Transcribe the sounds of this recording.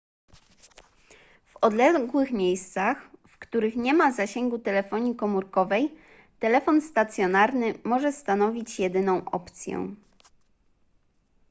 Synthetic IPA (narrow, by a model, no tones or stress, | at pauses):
v̥ɔd̪lɛɡwɘxmʲjejst̪saxfkt̪uɾɘxɲɛmazaɕɛŋɡut̪ɛlɛfɔɲikɔmuɾkɔvɛj | t̪ɛlɛfɔnst̪at̪sʲjɔnaɾnɘmɔʐɛst̪an̪ɔvʲit͡ɕjɛd̪ɘnɔ̃w̃ʔɔ̰pt̪sʲjɛ̰w̃